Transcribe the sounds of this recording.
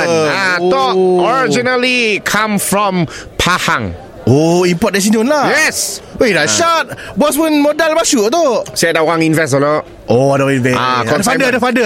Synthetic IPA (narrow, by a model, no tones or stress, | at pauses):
at̪ɔkɔɹid͡ʒinəlikʰãmfɹɔ̃mpʰahãŋ | oĩmpɔt̚ɛ̃s̬inõnlajɛswedaʃat̚bɔs̬wə̃nmodɛlbaʃuʔt̪osadaɣãŋĩnvɛs̬əlɔʔ | ʔodoĩnvɛakɔ̃dəfadədəfadə